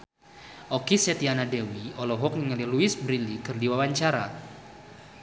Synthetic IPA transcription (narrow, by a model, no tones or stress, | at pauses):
ʔokisɛt̪ianadɛwiɔlɔɦɔk̚nəŋəliluɪsbɾilikɨrdiwawaɲt͡ʃaɾa̰